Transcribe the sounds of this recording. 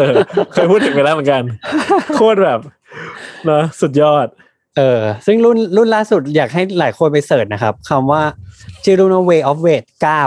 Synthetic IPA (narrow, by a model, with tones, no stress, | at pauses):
ʔɤː˧kʰɤː˧jpʰuː˥˩t̪ʰːɯ˩˦ŋpa˧laː˥˩mɯ˩˦ŋka˧nkʰu˥˩ət̪̚bɛː˨˩p̚ | nɔ˦˥su˨˩t̪̚jɔː˥˩t̪̚ | ʔɤː˧sɯ˥˩ŋɾu˥˩nlu˥˩nlaː˥˩su˨˩t̪̚jaː˨˩k̚ɦa˥˩jlaː˩˦jkʰo˧np̬a˧jsɤː˨˩t̪̚na˦˥kʰa˦˥p̚kʰa˧mwaː˥˩t͡ɕʰɯː˥˩ɾu˥˩nʔɔ˥˩weː˧ʔɔː˦˥p̚weː˧˩t̪̚kaː˥˩w